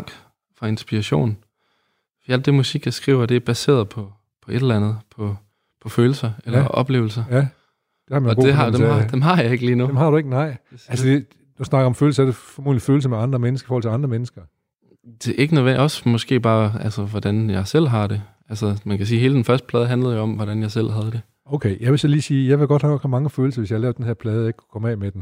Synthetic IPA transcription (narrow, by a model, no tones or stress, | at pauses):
ɡ̥ | fʁɑ̈e̝nsb̥iʁɑɕo̝̰ːn | fɒd̥iæld̥ːe̝musiɡ̥jɑ̈sɡ̥ʁḭːʊɐd̥e̝æɐb̥æse̝̰ːɐðˠpʰɒ̽ | pʰɒ̽ʔe̝d̥lænð̞̩ˠpʰɒ̽ | pʰɒ̽føːl̩sɐelɐʔɒ̽b̥le̝ːʊl̩sɐ | d̥ehɑminɒɡdeɦɑd̥eɑd̥emɦɑ̈jɑe̝ɡ̥əliːnuemhɑ̈ɾ̥ue̝ɡ̥ənɑ̈ɪ̰ælssəd̥e | d̥usnɑ̈ɡ̥ɐɒ̽mføːl̩səæd̥efɒmo̝̰ːliføːl̩s̬əmeɑ̈nd̥ʁɐmenəsɡ̥ɐifɔːhɒl̰t͡sʰe̝ɑ̈nd̥ʁɐmenəsɡ̥ɐ | d̥e̝ʔe̝ɡ̥ənəʋenɒ̽smɒ̽sɡ̥e̝̰ːb̥ɑ̈ːælsəʋɒd̥ænjɑ̈ɪsel̰ɦɑ̈ɾ̥e̝ | ælsəmænkʰæsiːɦe̝ːləd̥enfɶɐsd̥əpʰlɛːðˠɦænləð̞̩ˠjoɒ̽mʋɒɾænjɑ̈ɪsel̰ɦæð̞ˠd̥e̝ | oʊkʰeɪjæʋe̝sɒliːsiːjɑɪʋe̝ɡ̥ɒd̥hɑɡɒɡ̥hɑmɑ̈ŋəføːl̩sɐʋesjɑhlɛːʊd̥enhæɐpʰlɛːð̞ˠeɡ̥kʰu̥kʰɒ̽mɛ̰ːmed̥em